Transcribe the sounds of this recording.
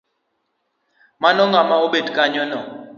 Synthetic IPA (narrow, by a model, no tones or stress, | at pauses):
manɔŋɡamaoɓetkʼaɲɔnɔ